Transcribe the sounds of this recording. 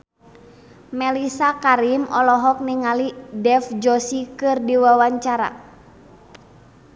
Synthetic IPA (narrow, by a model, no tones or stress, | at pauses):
mɛlisakaɾimɔlɔɦɔk̚niŋalidɛfd͡ʒɔsikɨrdiwawaɲt͡ʃaɾa̰